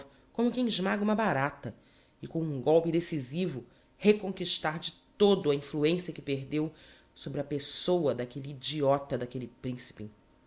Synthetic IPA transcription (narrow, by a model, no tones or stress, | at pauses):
kõmʊkẽj̃iʒmaɡũmɐbaɾat̪ɐ | ɪkõũɡɔwpɪd̪esizivʊ | hekõŋkiʃt̪aɾd͡ʒɪt̪od̪ʊɐĩfluẽsiɐkɪpeɾd̪ew | sobɾɪɐpesowɐd̪akeliːd͡ʒiɔt̪ɐd̪akelɪpɾĩsi̥pɪ